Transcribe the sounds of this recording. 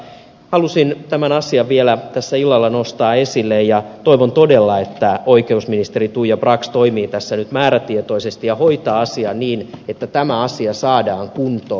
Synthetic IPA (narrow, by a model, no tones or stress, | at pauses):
hɑlusint̪æmænɑsiɑʋielæt̪æsːæilːɑlːɑnost̪ɑːe̞silːejjɑt̪o̞iʋont̪odelːɑe̞t̪ːæoike̞usminist̪erit̪uːjɑbrɑkst̪oimiːt̪æsːænyt̪mæːɾæt̪iet̪o̞isest̪ijɑho̞it̪ɑːɑsiɑnniːnet̪ːæt̪æmæɑsiɑsɑːdɑːŋkunt̪oː